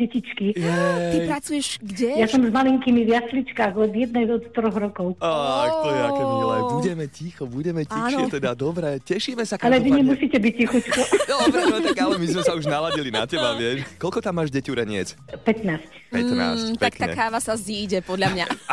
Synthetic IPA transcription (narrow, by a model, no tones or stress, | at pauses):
ɟɛcit͡ʃkiɛipɾat͡sujɛʃɡɟɛjasɔmzmaliŋkimiʋjaslit͡ʃkaɣɔd̪jɛd̪̚nɛjɔt̪t̪ɾɔɣɾɔkɔʊakt̪ɔjɛaɔlɛbuɟɛmɛcixɔbuɟɛmɛciaːnɔɛt̪ɛd̪ad̪ɔbɾɛcɛʃiːmɛsakalɛʋiɲɛmusiːcɛbicːixut͡ʃkɔɔʋɛɔt̪aɡalɛmizmɛsauʒnalaɟilina̰cɛbaʋɪɛʃkɔlkɔt̪amːaːʒɟɛcuɾɛɲɪɛ̰t͡spɛt̪naːscppɛt̪na̰sct̪ak̪akaːʋasazd̪iːɟɛpɔd̪ʎamɲa̰